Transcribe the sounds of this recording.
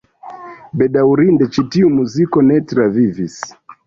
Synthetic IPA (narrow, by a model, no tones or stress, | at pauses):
bɛɗauɾindɛt͡ʃitiumuzikɔnɛtɾavivis